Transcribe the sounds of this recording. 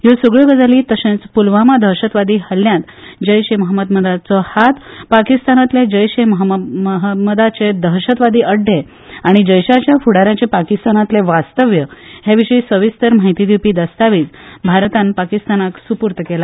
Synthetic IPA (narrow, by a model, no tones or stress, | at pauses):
josuɡɭeɡəd͡zaliːt̪əɕẽt͡spulʋamad̪ʱəɾɕət̪ʋad̪iːhəljãt̪ | d͡ʑəjɕeməɦəmːəd̪məd̪at͡sɔhat̪pakist̪anat̪led͡ʑəjɕeməɦməməɦəd̪məd̪at͡sed̪ʱəɦɕət̪ʋad̪iːəɖʱːe | aɽ̃id͡ʑəjɕat͡ɕjafuɽaɾjãt͡ɕepakist̪anat̪leʋast̪əʋjəhjaʋiɕəisəʋist̪əɾm̤aɦit̪id̪iwpiːd̪əst̪aʋiːt͡sbʱaɾt̪anpakist̪anaksupuɾt̪kela